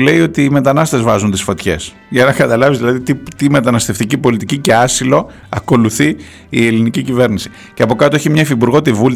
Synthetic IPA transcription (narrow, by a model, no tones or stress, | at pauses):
le̞io̞t̪iːme̞t̪ɐnɐst̪e̞zvɐzunt̪isfot̪çe̞̰s | ʝɐnɐkɐt̪ɐlɐvizðilɐðit̪it̪ime̞t̪ɐnɐst̪e̞ft̪icipo̞lit̪icice̞ɐsilo̞ | ɐko̞luθi | ie̞linicicive̞ɾnisi̥ | ceɐpokɐt̪oeçimɲɐefipuɾɣo̞t̪ivul